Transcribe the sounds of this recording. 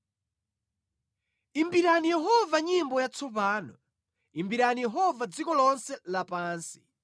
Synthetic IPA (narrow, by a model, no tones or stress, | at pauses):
imbiɾanijɛɦɔvaɲimbɔjat͡sʰɔp̬aːnɔ | imbiɾanijɛɦɔvad͡zikɔlɔnsɛlapaːnsi̥